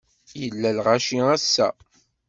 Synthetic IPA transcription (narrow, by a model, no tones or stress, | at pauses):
jəlːælʁaʃiæsːæ̰